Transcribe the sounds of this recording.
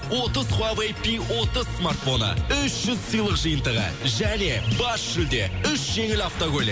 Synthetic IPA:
wo̞t̪əzχwavejpiwo̞t̪əz̥smart̪fo̞nə̰ʏʃʒ̥ʏzsəjlˠəqʒəjənt̪əʁə̰ʒæne̞bɑsʒ̥ʏld̪eʏʃʒ̥e̞ŋɪlaft̪oɡolʲ

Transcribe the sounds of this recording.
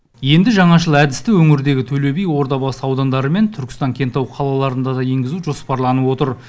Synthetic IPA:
je̞nd̪ɪʒɑɴɑʒəlˠæd̪ɪst̪ɪwɵŋɪɾd̪e̞ɡʲɪt̪ʰɵle̞bejwo̞ɾd̪ɑbɑsɑwd̪ɑnd̪ɑɾəme̞nt̪ʰʏɾkʲɪ̥st̪ɑŋkʲʰe̞nt̪ɑwqʰɑlˠɑlˠɑɾənd̪ɑd̪ɑje̞ŋɡʲɪzuʒo̞spɑɾlˠɑnəwo̞t̪əɾ

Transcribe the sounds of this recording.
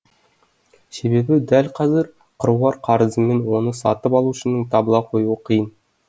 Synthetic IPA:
sebe̞bɪd̪ælqʰɑzɪɾ | qʰəɾuwɑɾqʰɑɾəzəmenwo̞nəsɑt̪əpɑlˠuʃə̆nəɴt̪ʰɑbəlˠɑqʰo̞juəqʰijən

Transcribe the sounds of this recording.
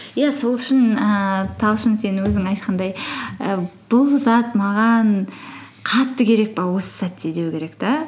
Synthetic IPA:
jæso̞lˠʏʃɪnət̪ʰɑlˠʃənse̞nɪwɵzɪŋɑjt̪̚qʰɑnd̪ɑjəb̥ʊlˠzɑt̪mɑʁɑn | qʰɑt̪ːəkʲʰe̞ɾe̞k̚bɑwo̞sə̥z̥ɑt̪ːed̪ewɪkʲʰe̞ɾe̞kt̪ɑ

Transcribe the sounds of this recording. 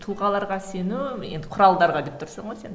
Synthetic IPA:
t̪ʰʊlˠʁɑlˠɑɾʁɑse̞nuje̞̰nd̪ɪqʰʊɾɑlˠd̪ɑɾʁɑd̪e̞p̚t̪ʰʊɾsɑɴʁojse̞n

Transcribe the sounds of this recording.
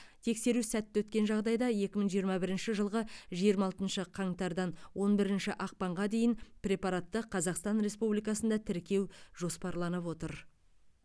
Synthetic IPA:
t̪ʰe̞kse̞ɾusæt̪ːɪwɵt̪kʲe̞nʒɑʁd̪ɑjd̪ɑje̞kʲɪməɴʒijəɾmɑbɪɾɪnʃɪʒəlˠʁəʒijəɾmɑlˠt̪ənʃəqʰɑɴt̪ɑɾd̪ɑnwo̞nbɪɾɪnʃɪʔɑq̚pɑɴʁɑd̪e̞jɪnprʲe̞pɑɾɑt̪ːəqʰɑzɑqst̪ɑnɾe̞spublijkɑsənd̪ɑt̪ʰɪɾkʲe̞wʒ̥o̞spɑɾlˠɑnəpwo̞t̪əɾ

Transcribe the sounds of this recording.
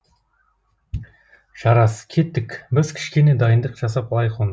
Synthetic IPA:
ʒ̥ɑɾɑsə̥kʲʰe̞t̪ːɪkʲbɪzkʲʰɪ̥ʃkʲe̞ne̞d̪ɑjənd̪əqʒ̥ɑsɑplˠɑjqʰon

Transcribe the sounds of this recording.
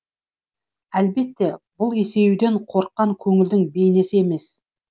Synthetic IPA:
ælbe̞t̪ːe̞bʊlˠe̞se̞jud̪e̞ɴqʰo̞ɾqːɑŋkʲʰɵŋɪld̪ɪŋbejɪne̞sɪe̞me̞s

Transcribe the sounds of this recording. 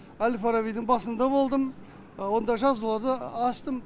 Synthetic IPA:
ælfaɾavijd̪ɪɴbɑsənd̪ɑbo̞lˠd̪əm | wo̞nd̪ɑʒɑzulˠɑɾd̪əɑst̪əm

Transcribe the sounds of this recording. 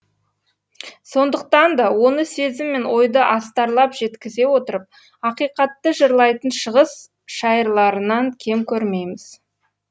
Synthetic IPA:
so̞nd̪əq̚t̪ɑnd̪ɑwo̞nəse̞zɪmːe̞nwo̞jd̪əʔɑst̪ɑɾlˠɑpʒ̥e̞t̪kʲɪze̞wo̞t̪əɾəp̚ | ɑqijqɑt̪ːəʒəɾlˠɑjt̪ənʃəʁəs | ʃɑjəɾlˠɑɾənɑŋkʲʰe̞mkʲʰɵɾme̞jmɪz̥

